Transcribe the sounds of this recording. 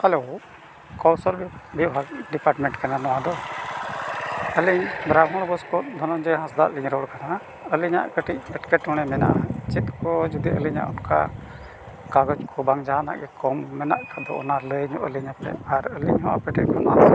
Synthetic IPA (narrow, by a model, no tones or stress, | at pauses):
alo | kɔwsəlbibʱiɦaɖipaɾʈmɛɳʈkananɔwad̪ɔ | əliɲbɾamɔɽ̃bɔskɔt̪d̪ʱɔnɔnd͡ʒɛɦãsd̪a̰ʔliɲɾɔɽkana | əliɲa̰ʔkəʈʰic̚ˀpɛʈkɛʈɔɽ̃ɛmɛna̰ʔat͡ʃit̪̚kɔd͡ʒud̪iʔəliɲa̰ʔɔnka̰ | kaɡɔt͡ʃkʰɔbaŋd͡ʒaana̰ʔɡɛkɔmːɛna̰ʔkʰad̪ɔ̰ʔɔ̰naləɲɔʔə̰liɲapɛ̰aɾəliɲɦɔʔa̰pɛʈʰɛʔ̚kɔna